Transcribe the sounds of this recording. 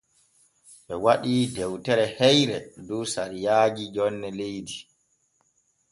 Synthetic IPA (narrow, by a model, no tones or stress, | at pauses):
ɓɛwaɗiːdɛwtɛɾɛhɛjɾɛduːsaɾijaːɡid͡ʒɔnːɛlejdi